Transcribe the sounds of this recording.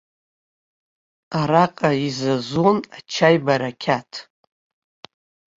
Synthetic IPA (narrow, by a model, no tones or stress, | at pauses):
aɾaqʼaizazonat͡ʃʰajbaɾakʲʰatʰ